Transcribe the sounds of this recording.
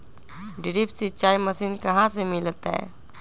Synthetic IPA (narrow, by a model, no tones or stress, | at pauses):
ɖɪɾipsit͡ʃaːiməsinkɐɦãsemɪlt̪ɦɛ̰ː